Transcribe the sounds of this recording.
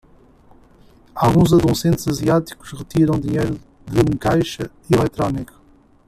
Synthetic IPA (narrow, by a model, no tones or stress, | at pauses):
alˠɣũzɐðusẽnt̪z̥ɐziat̪i̥ku̥ʃʁɨt̪iɾɐ̃w̃d̪iɲejɾu | ðɨũkajʃɐ | ilˠɛt̪ɾɔnikɐ̥